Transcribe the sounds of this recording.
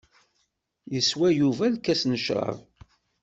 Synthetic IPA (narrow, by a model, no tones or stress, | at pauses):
jəswæjuvælkæsnəʃɾˤɑ̰v